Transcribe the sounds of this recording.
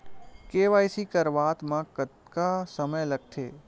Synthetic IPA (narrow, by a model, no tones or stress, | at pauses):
keːʋaːjsikəɾʋaːt̪mãkət̪kasəməjlɐɡ̚t̪ʰḛː